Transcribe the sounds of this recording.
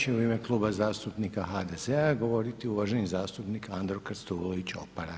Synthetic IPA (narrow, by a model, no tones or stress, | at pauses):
t͡ɕeuime̞klˠuːbazaːst̪upnikaxad̪ezeaɡo̞ʋo̞ɾit̪iuʋaʒe̞nizaːst̪upnikand̪ɾokɾst̪ulˠoʋit͡ɕo̞̰paɾa